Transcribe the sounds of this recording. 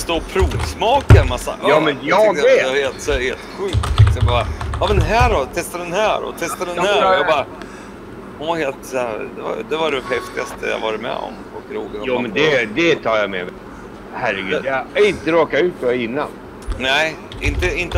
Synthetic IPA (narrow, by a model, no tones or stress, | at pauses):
st̪oːpʰɾuːvsmɑːkamasːa̰ʔɑːmɛnjɑɛheːlt̪sɛheːlt̪ɧʉ̟ːk̪̚ʰɛkt̪sjabɑːɾjɑmɛnɦæːɾɔt̪ʰɛst̪ad̪ɛnɦæːɾɔ̰t̪ʰɛst̪ad̪ɛnhæːɾjɑɡbɑɾ | ɔheːlt̪sɛd̪ɛva̰d̪ɛvaɖɛhɛft̪ɪast̪ʰə̰ja̰vɑːɾɪt̪mɛ̰ɔ̰mfɔlkɾoːɡənjuːmɛnd̪ɛd̪ɛt̪ʰɑːɾjamɛmɛ | hæɾːɛɡʉ̟jaɪnt̪əɾɑːkaʉ̟ːt̪̚ɛɪnːa̰n | næɪ | ʔɪnt̪əɪnt̪ə